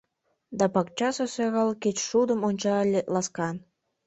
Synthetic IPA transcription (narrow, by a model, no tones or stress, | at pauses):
d̪ɑpɑk̚t͡ɕɑsəsøɣɑlket͡ɕʃud̪ə̆monʲt͡ɕɑlʲelɑskɑn